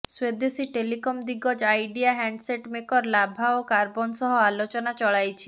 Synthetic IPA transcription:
swed̪esiʈelikɔmd̪iɡɔd͡ʒajɖiaɦaɳɖseʈmekɔɾlabʱaokaɾbɔnsɔɦɔalot͡ʃɔnat͡ʃɔɭajt͡ʃʰi

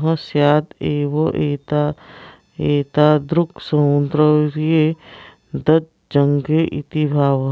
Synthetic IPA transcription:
ɦɐ̃sjaːd̪eːʋoʔeːt̪a | eːt̪aːd̪ɾʊksɐũnd̪ɾəɾje | d̪ɐt̪̚ | d͡ʒɐŋɡeʔit̪ibʱaːʋ

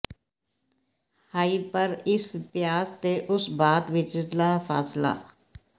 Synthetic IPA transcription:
haːipəɾɪspjaːst̪eʔʊsbaːt̪ʋɪt͡ʃlaːpʰa̰ːsla̰ː

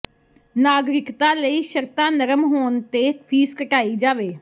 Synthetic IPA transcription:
naːɡɾɪkt̪ãːləiːʃəɾt̪ãːnəɾəmɦoːnt̪eːpʰiːskəʈaːiːd͡ʒaːʋeː

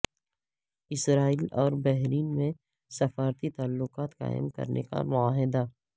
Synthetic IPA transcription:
ɪsɾaːiːlɔːɾbɛɦɾiːnmẽ | sɐfaːɾt̪it̪aːlːʊqaːt̪qa̰ːɪ̰mkɐ̰ɾnʔḛka̰mʊaːɦɪd̪a

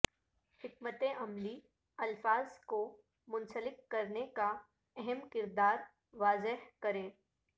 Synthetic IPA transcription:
hɪkmət̪ẽʔɐmli | ɐlfaːzko | mʊ̃nsəlɪk̚kɐɾneka | ɛɦɛmkɪɾd̪aːɾ | ʋaːzɪɦkɐɾẽː

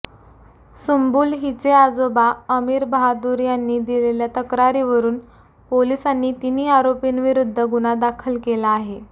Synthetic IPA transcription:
sumbuːlɦit͡sead͡zobaəmiːɾbɦad̪uːɾjanːiːd̪ileljat̪əkɾaɾiʋəɾuːn | polisanːiːt̪iniːaɾopinʋiɾud̪ʱːəɡuɽ̃ad̪akʰəlkelaːɦe

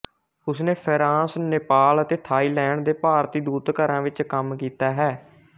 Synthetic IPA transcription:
ʊsneːpʰəɾãːsneːpaːlət̪eːt̪ʰaːiːlɛːɳd̪eːpaːɾt̪iːd̪uːt̪kəɾãːʋɪt͡ʃkəmkiːt̪aːɦɛː

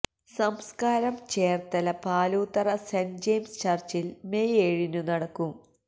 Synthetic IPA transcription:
sɐmskaːɾɐmt͡ɕeːrt̪ɐlɐpaːluːt̪ːɐrɐsend͡ʑejmst͡ɕɐrt͡ɕilmejeːɻinɨnɐɽɐkːum

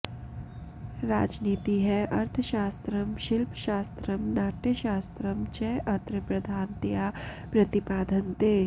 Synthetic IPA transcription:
ɾa̰ːd͡ʒniːt̪iɦɛʔɐɾt̪ʰəʃaːst̪ɾəmʃɪlpʃaːst̪ɾəmnaːʈjəʃaːst̪ɾəmt͡ʃɛʔɐt̪ɾəpɾɐd̪ʱaːnt̪ɪjaːpɾɐt̪ɪpaːd̪ʱənt̪eː

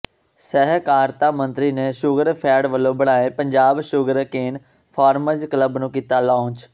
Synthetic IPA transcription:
sɛɦkaːɾt̪aːmə̃nt̪ɾiːneːʃʊɡəɾpʰɛːɽʋəlːõːbəɽaːẽːpəɲd͡ʒaːbʃʊɡəɾkeːn | pʰaːɾməd͡ʒkələbnũːkiːt̪aːlãːnt͡ʃ

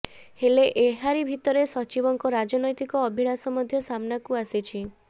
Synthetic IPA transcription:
heleʔeɦaɾibʱit̪ɔɾesɔt͡ʃibɔŋkɔɾad͡ʒɔnɔjt̪ikɔːbʱiɽasɔmɔd̪ʱjɔsamnakuasit͡ʃʰi

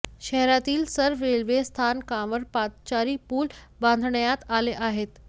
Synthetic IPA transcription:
ɕɛɦɾat̪iːlsəɾʋeɭʋest̪ʰankãʋəɾpat̪t͡ɕaɾiːpuːl | bãnd̪ʱɳjat̪aleʔaɦet̪

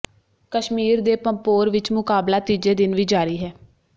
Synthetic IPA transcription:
kəʃmiːɾd̪eːpəmpoːɾʋɪt͡ʃmʊkaːblaːt̪iːd͡ʒeːd̪ɪnʋiːd͡ʒaːɾiːɦɛː

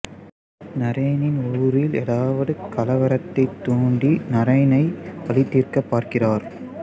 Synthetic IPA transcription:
nɐɾɐjnɪnuːɾɪlɛːɽaːʋɐðɯkɐlɐʋɐɾɐt̪ːɐɪt̪ːuːɳɖinɐɾɐjnɐɪpɐlɪt̪ːiːrkɐpːaːɾkɪraːɾ

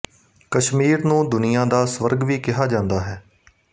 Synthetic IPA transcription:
kəʃmiːɾnũːd̪ʊnɪjãːd̪aːsʋəɾɡʋiːkɪɦaːd͡ʒãːnd̪aːɦɛː

